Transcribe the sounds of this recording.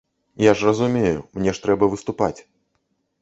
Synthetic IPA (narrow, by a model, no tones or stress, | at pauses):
jaʐrɐzumʲejumnʲɛʂt̪ɾɛbɐvɨst̪upat͡sʲ